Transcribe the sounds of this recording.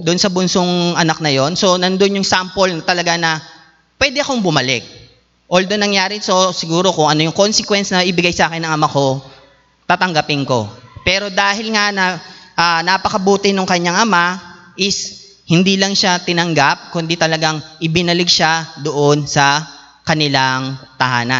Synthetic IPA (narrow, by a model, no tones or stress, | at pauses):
d̪ʊnsɐbʊnsoŋʔɐnak̚nɐjo̞nso̞nɐnd̪onjʊŋsampolnɐt̪ɐlɐɡanɐ | pwɛd̪ɛɐko̞ŋbʊmɐlɛk̚ | ʔold̪onɐŋjaːɾɪso̞sɪɡuːɾo̞kʊŋʔɐno̞jʊŋko̞nsɛkwɛnsnɐʔɪbɪɡajsɐaːkɪnːɐŋɐmako̞ | t̪aːt̪ɐŋɡɐpɪŋko̞̰pɛːɾo̞d̪aːhɪlŋanɐʔanapɐkɐbuːt̪ɪnoŋkɐɲːaŋʔɐmaʔɪs | hɪnd̪iːlɐŋʃat̪ɪnɐŋɡap̚kʊnd̪it̪ɐlɐɡaŋʔɪbɪnɐlɪɡ̚ʃad̪oʔonsɐ | kɐnɪlaŋt̪ɐha̰ːna̰